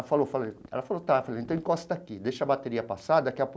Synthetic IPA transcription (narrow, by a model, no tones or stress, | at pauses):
ɐfalofaleɛ̰lɐfalot̪afaleẽnt̪ɐ̃w̃ĩkɔst̪ɐakid̪ejʃɐbat̪eɾiɐpasad̪ɐkɪɐp